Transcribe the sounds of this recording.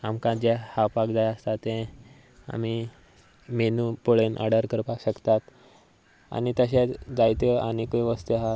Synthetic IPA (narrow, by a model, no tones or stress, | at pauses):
amkãd͡ʑɛhawpakd͡zajəst̪at̪ːɛ̃ | a̰mi | menupoɭenʔa̰ɽaɾkəɾpakɕəkt̪at̪ | a̰nit̪əɕẽd͡zajt̪əañikəjʋəst̪eɦa